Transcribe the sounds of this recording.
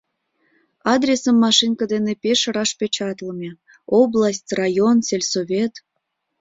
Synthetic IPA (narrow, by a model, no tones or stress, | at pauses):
ɑd̪ɾʲesəmːɑʃinkəd̪enepeʃəɾɑʃpʲet͡ɕɑt̪ləmʲe | oblˠasʲtʲrɑjonselʲsoβʲet̪